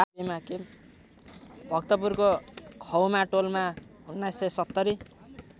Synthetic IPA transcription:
abemake | bʱʌkt̪ʌpurkokʰʌwmaʈolmaunːajsʌjsʌt̪ːʌɾi

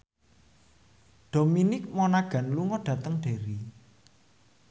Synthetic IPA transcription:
ɖ̥ominɪk̚mɔnaɡ̥ä̤nluŋɔɖ̥ä̤t̪əŋɖ̥e̤ɾi

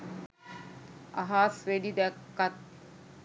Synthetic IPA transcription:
a̰ɦaːsʋeɖid̪ɛkːat̪̚

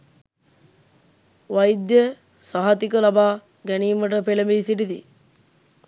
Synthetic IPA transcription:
ʋɐjd̪jə | saɦɐt̪ikəlabaː | ɡæniːməʈəpelemesiʈ̬it̪ḭ

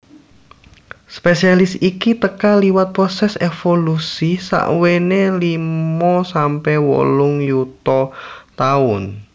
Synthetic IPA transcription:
spesialɪsikit̪əkaliwat̪̚pɾɔsɛsefolusisa̰ʔwenelimɔsampɛwɔ̰lʊŋjut̪ɔt̪aʊn

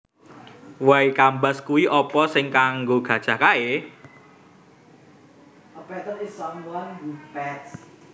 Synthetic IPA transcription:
waikambaskuwiʔɔpɔsɪŋkaŋɡoɡ̥ä̤d̥ʒ̥a̤hkae | əpɛt̪əlisɔmwanɡupɛts

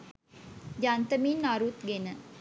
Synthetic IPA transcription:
jant̪əminːaɾut̪ɡenə

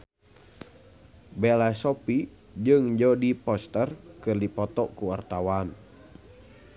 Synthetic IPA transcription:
bɛlasɔpi | d͡ʒɨŋd͡ʒɔdipɔst̪ərkɨrdipɔt̪ɔkuwart̪awan

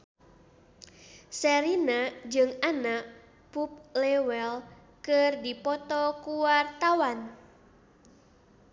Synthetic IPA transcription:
sɛɾinad͡ʒɨŋanaʔ | pup̚lɛwɛl | kərdipɔt̪ɔkuwart̪awan

